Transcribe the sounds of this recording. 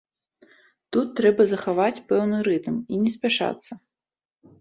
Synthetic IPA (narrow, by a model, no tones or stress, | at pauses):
t̪ut̪ːɾɛbɐzɐxavat͡sʲpɛwnɨɾɨt̪minʲɛs̬ʲpʲaʂa̰t̪sːɐ